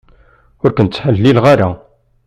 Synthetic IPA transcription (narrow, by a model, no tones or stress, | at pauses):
ʊɾkənt͡sːħəlːilʁaɾa